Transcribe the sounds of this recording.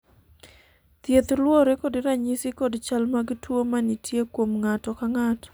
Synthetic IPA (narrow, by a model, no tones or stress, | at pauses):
t̪jet̪lwoɾekodɾaɲɪsɪkodt͡ʃalmaɡtwomanitʰjekwomŋatɔkaŋat